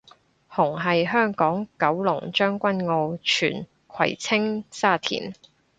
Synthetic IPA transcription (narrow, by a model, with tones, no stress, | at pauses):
hʊ˨˩ŋɦɐ˨jɦœː˥ŋkɔː˨˥ŋkɐ˨˥wlʊ˨˩ŋt͡ʃœː˥ŋkʷɐ˥nŋo˧wt͡ʃʰyː˨˩n | kʰɐ̰˨˩jt͡sʰɪ˥ŋsaː˥˩t̪ʰḭː˨˩n